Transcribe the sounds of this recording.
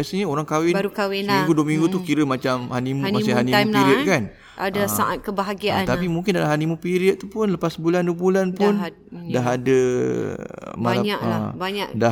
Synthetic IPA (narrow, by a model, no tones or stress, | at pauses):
səɲəoɾaŋkawɪnbaɾukawɪsmiŋɡuduəmiŋɡut̪ukiɾəmat͡ʃamhanimũmasiɦanimpiɾiət̪̚kan | aasaʔat̪̚kəbaɦaɡiat̪apimuŋk̬ɪndalamɦanimũpiɾiət̪̚t̪upʊnləpasbulanduəbulanpʊn | daɦadə | malaɲaʔabaɲaʔda